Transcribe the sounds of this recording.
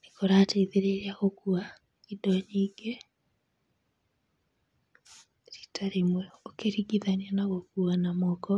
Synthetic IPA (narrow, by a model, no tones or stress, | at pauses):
nekoɾateiðeɾeɾeaɣokua | idɔɲiːɡe | ɾi̥tʰaɾemeokeɾiɡiðanianaɣokuanamɔkɔ